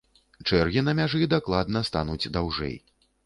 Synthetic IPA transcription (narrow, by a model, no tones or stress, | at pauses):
t͡ʂɛrɣʲinɐmʲaʐɨd̪aklˠad̪nɐst̪a̰nud͡zʲd̪awʐɛ̰j